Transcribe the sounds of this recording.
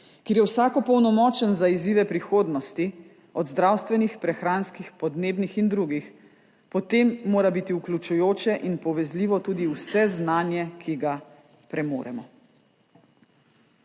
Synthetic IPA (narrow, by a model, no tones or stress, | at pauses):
keːɾjɛwsaːkɔpɔwnɔmɔːt͡ʃənzaiziːʋɛpɾixoːd̪nɔst̪i | ɔd̪zd̪ɾaːwst̪ʋɛnixpɾɛxɾaːnskixpɔd̪neːbnixind̪ɾuːɡix | pɔt̪eːmːoːɾabit̪iuklʲut͡ʃujoːt͡ʃɛʔinpɔʋɛzliːʋɔt̪uːd̪iwsɛznaːnjɛkʰiɡa | pɾɛmo̰ːɾɛ̰mɔ